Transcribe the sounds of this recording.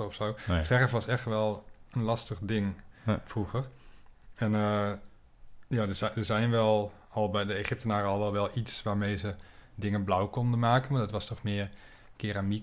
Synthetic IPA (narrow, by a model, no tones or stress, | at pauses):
əɔfsowfɛrəfʋɑsɛχtʋɛlˠənlɑstəχdɪŋfruɣər | ɛnə | jaːdəzdəɹzɛjnʋɛlˠ | ɑlˠbɛjdəeχɪp̚tənaːɾəɑlˠʋɛlˠʋɛlˠitsʋaːɹmejzədɪŋənblawkɔndənmaːkənmaːdɑtʋɑstɔχmɪːɹ | kɪːɾami